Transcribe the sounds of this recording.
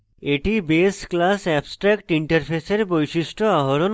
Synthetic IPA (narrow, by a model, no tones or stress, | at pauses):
eʈibesklasɛbsʈɾɛkʈiɳʈəɾfʰeseɾbojʃiʃʈʰoaɦoɾon